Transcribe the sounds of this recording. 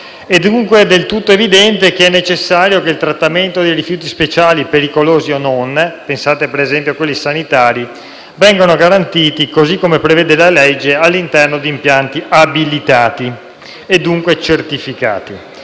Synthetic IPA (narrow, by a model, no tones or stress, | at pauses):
ed̪ːuŋkwed̪elt̪ut̪ːoevid̪ɛnt̪ekeɛnːet͡ʃesːaːɾjokeilt̪ɾat̪ːament̪od̪ejɾifjuːt̪ispet͡ʃaːlipeɾikoloːziononpensaːt̪epeɾezɛmpjoakwelːisanit̪aːɾi | vɛŋɡonoɡaɾant̪iːt̪ikozikːomepɾeveːd̪elaled͡ʒːealːint̪ɛrnod̪iːmpjant̪iʔabilit̪aːt̪i | ed̪ːuŋkwet͡ʃert̪ifika̰ːt̪i